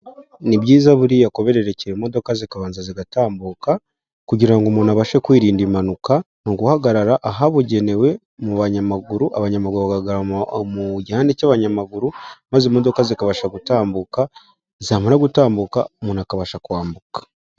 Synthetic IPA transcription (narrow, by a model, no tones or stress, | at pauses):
nibɟiːzaβuɾijako̞βe̞ɾe̞ɾe̞ciɾemo̞do̞kazikaβaːnzaziɡataːmbuka | kuɟiɾaŋɡomunaβaʃekwiːɾiːndimanuka | nuɡuhaɡaɾaɾaʔaɦaβoɟe̞ne̞we̞ | muβaɲamaɡuɾuʔa̰βaɲamaɡuɾuβaɡaɡaɾmuɟihaːndecaβaɲamaɡuɾumazemo̞do̞kazikaβaʃaɡutaːmbuka | zaːmaɾaɡutaːmbuka̰munakaβaʃakwaːmbukḁ